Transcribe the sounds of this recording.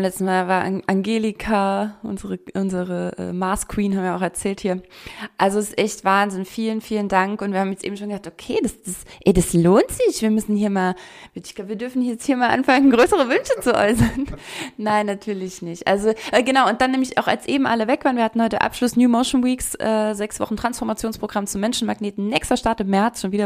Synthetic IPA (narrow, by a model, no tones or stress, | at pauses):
nlɛt͡stn̩maːvaːɐʔʔaŋɡeːlikʰaʔʊ̰nzəʁəʔʊnzəʁəʔɛ̰ːmaɐskʰw̥iːnhabmviːɐaʊxɛɐt͡sɛːlthiːɐʔalzoɛsɪsʔɛçtv̥aːnzɪnfiːlənfiːləndaŋkʊntviːhaːm̩jɛt͡stʔḛːm̩ʃoːnɡəzaːktʔokʰeːdasd̥asʔɛdasloːntz̥ɪçv̥iːɐmʏsn̩hiːɐmaːlviɪçɡ̥abəviːɐdʏɐfn̩hiɐjɛt͡sthiːɐmaːlʔa̰nfaŋənɡʁøːsəʁ̞əvʏnʃət͡suʔɔ̰ʏsɐnːaɪnːatʰyːɐlɪçnɪçtʔa̰lzoʔɛɡənaʊʊnt̚d̥anːɛːmlɪça̰ʊxa̰lsʔeːbm̩ʔaləvɛkv̥aːɐnviːɐhatn̩hɔʏtə̰ʔa̰pʃlʊsnjuːmoʊʃn̩wiːksʔɛːzɛksv̥ɔ̰χn̩tʁ̥ansfɔɐmat͡sjoːnspʁ̥oɡʁamt͡sumːɛnʃn̩maɡneːtn̩nɛːkstɐʃtaɐtɪmːɛɐt͡sʃoːnviːdɐ